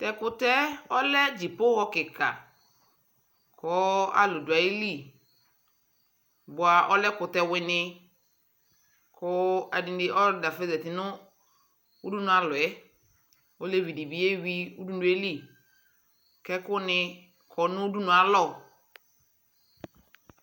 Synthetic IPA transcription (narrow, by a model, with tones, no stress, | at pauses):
tɛ˨kʊ˦tɛ˦ɔ˦lɛ˦d͡ʒi˨pʊ˦hɔ˦kɪ˨ka̰˨ | kʰɔː˨˦a̰˦lʊ˨du˨a˨e˦li˦˨ | bʊ˨a˨ʔɔ˦lɛ˦kʊ˨tɛ˦wɪ˨nɪ̃˧ | kʰɔ˦a̰˨dĩ˨dɪ˨ʔɔ˦˨da˨fe˦zɛ˨tɪ˨nʊ̃˦ | u˦du˦nʊ̃˨a˨lʊ˨ɛ˦ | o˦le˦vi˨di˨bi˨˦e˦wi˦u˦du˦nu˨˦e˦li˦˨ | kɛ˦kʊ˦nɪ̃˦ | kʰɔ˨nʊ̃˦u˦du˦nʊ̃˨a˨lɔ˦˨